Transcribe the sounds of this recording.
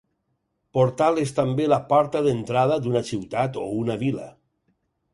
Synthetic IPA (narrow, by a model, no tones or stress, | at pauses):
poɾt̪alest̪ambelapɔɾt̪aðent̪ɾað̞ad̪unasiwt̪at̪ounaβila̰